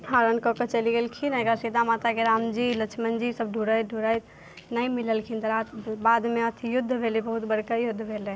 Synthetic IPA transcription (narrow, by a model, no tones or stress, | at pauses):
haɾənkɔkət͡ʃəliɡelkʰinaɡaɾsid̪ʱamat̪akeɾamd͡ʒilət͡ʃʰmənd͡ʒisəb̚ɖʱuɾəjt̪̚ɖʱuɾajt̪ | naimiləlkʰint̪əɾat̪bad̪meət̪ʰijʊd̪ʱːbʱelibəɦut̪bəɽkajʊd̪ʱːbʱele